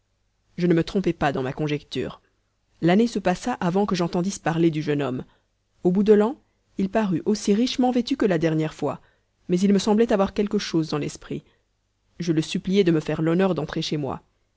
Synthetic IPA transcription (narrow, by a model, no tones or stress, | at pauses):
ʒənəmət̪χɔ̃pɛpad̪ɑ̃makɔ̃ʒɛkt̪y̰ːʁ | lanesəpasaʔavɑ̃kəʒɑ̃t̪ɑ̃d̪ispaʁled̪yʒənɔm | obud̪əlɑ̃ | ilpaʁyʔosiʁiʃmɑ̃vet̪ykəlad̪ɛʁnjɛʁfwa̰ | mɛzilməsɑ̃blɛt̪avwaʁkʲɛlkəʃozd̪ɑ̃lɛspχi | ʒələsyplijɛd̪əməfɛʁlɔnœʁd̪ɑ̃t̪χeʃemwa̰